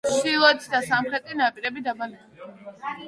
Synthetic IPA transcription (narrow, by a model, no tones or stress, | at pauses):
ʃilˠɔt̪ʰd̪asamχɾɛt̪ʼinapʼiɾɛbid̪abanɛ